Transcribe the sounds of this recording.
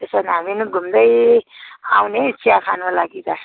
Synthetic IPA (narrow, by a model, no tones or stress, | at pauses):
t̪esanaminuɡʱumd̪ʌj | awnet͡sʰijakʰanalaɡit̪a